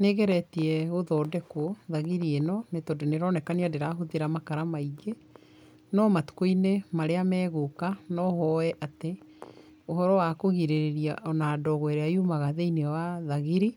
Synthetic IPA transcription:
neɣɛɾɛtiɛoðɔdɛkoðaɣiɾienɔnetɔdoneɾɔnɛkaniadeɾaɦoðeɾamakaɾamaiɣe | nɔmatu̥koinemaɾeamɛɣokanɔɦɔɛʔate | ohɔɾɔwakoɣiɾeɾeɾiaʔɔnaːdɔɣweɾeajumaɣaðeinewaðaɣiɾi

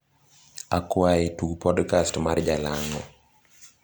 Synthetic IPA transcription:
akwaituɡpɔdkastmaɾd͡ʒalaŋɔ

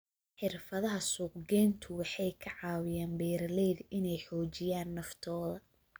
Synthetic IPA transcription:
ħɪrfɐðɐɦɐsuːqɡɛːnt̪ʰʊwɑħɑjkʰɐʕɑːwɪjaːnbɛːɾɐlɛjdɪnɛjħɔːt͡ʃɪjaːnːɐft̪ʰɔːðɐ

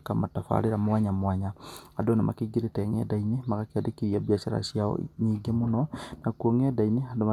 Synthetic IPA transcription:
kamatafa̰ɾeɾamwaɲamwaɲaadonama̰kiɡiɾetɛŋɛ̰dainemakakeadekiiabiaseɾa̰sjao̰ɲiɡamonɔnakuoŋɛdaineadoma

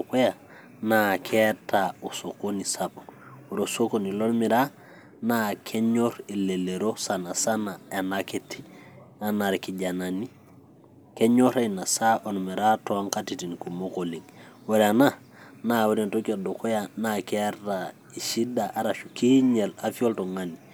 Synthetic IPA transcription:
okeja | nakʰeɾtausokonisabuwuɾosokonilolmiɾa | nakʰeɲoɾileleɾosanasanaenaketi̥ | anaɾkiɟanani | keɲoɾainasaʔonumiɾatoaŋkatitinkumokoliŋ | weɾana | nawuɾentokedokojanakeɾta | iʃidaʔaɾaʃukiɲelafioltoŋani

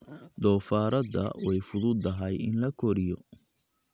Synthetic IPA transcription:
d̪ɔːfaːɾɐd̪ɐ̰wɛjfʊðʊd̪ːɐɦɐjɪ̰nlɐkʰɔɾɪjɔ

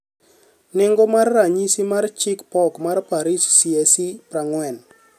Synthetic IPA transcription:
nɪŋɡɔmarːaɲisimart͡ʃɪkpɔkmarpaɾissiɛsipɾaŋwɛn

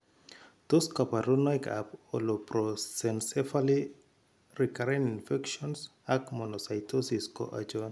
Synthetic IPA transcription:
t̪oskapaɾunɔjka̰polopɾosɛnsefali | ɾikaɾẽninfɛkʃɔnsakmɔnosajtʰosisko̰ʔa̰d͡ʒɔn

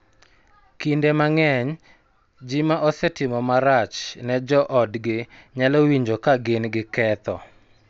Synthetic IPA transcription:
kindemaŋɛɲ | d͡ʒimaʔɔsɛtɪmɔmaɾat͡ʃnɛd͡ʒɔʔɔdɡɪɲalɔwiɲd͡ʒokaɡenɡɪkɛt̪ɔ̰

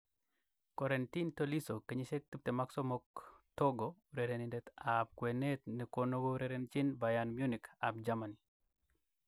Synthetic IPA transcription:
koɾɛntint̪olisokeɲisek̚tup̚t̪emaksɔmɔk̚toɡoɾeɾenindet̪ap̚kwenet̪nikonoɡoɾeɾent͡ʃinbajanmjunikab̚d͡ʒamani

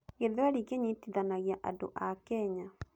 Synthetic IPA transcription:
ɡeðewaɾikɛɲetiðanaɣjaʔado̰ʔakɛɲa

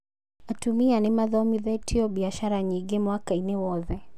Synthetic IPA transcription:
atumianimaðɔmiðɛtʰiɔɓiaʃaɾaɲiɡɛmwakainɛwɔðɛ

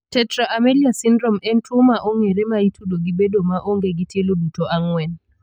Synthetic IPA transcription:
tɛtɾɔʔamɛlijasindɾɔmɛntʰumaʔɔŋɡɛɾɛmajitʰuɗɔɡibɛɗɔmaʔɔŋɡɛɡitʰɛlɔɗutɔʔaŋwɛn

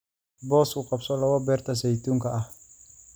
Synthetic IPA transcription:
bɔːsʊqɑbsɔlɐwɐbɛːrt̪ʰɐs̬ɛjt̪uːŋkɐʔɐh

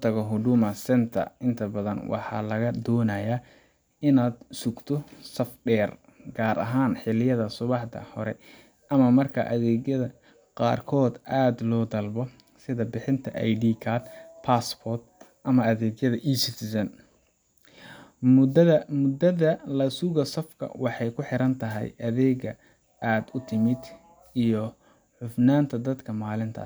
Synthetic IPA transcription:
t̪ʰɐɣɔɦʊɖʊmɐsɛnt̪ʰɐ̰ɪnt̪ʰɐbɐðɐnwʔɑ̰ħɑ̰lɐɣɐd̪ɔːnɐjaː | ɪnaːd̪sʊɡt̪ʰɔsɐfɖɛːr | ɡaːɾʔɐ̰ɦaːnħɪlɪjɐðɐsʊβɑħd̪ɐ̰hɔ̰ɾɛ̰ | ʔɐmɐmɐrkʰɐ̰ʔɐðɛːɡjɐðɐ | qɑ̰ːrkʰɔːd̪aːd̪lɔːd̪ɐlbɔ | sɪðɐbɪħɪnt̪ʰɐ̰ʔɐ̰jɖiːkʰaːd̪pʰaːsbʰɔːrt̪̚ | ʔɐmɐɐðɛːɡjɐðɐʔiːsɪt̪ʰɪsɐn | dɐmʊd̪ɐðɐlɐsʊɣɐsɐfkʰɐ̰wɑħɑjkʰʊħɪɾɐnt̪ʰɐɦɛ̰jʔɐðɛːɣɐ | aːd̪ʊt̪ʰɪmɪd̪ | ijɞ | ħʊfnaːnt̪ʰɐd̪ɐd̪kʰɐmaːlɪnt̪ʰɐ̰

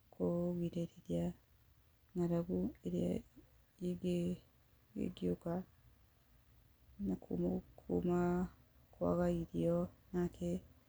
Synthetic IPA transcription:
kʰoβiɾeɾeɾia | ŋaɾaɣueɾia̰ | jeɡe | ɡḛɡioka | nakʰṵmkʰṵma | kwa̰ɣaiɾionakʰe

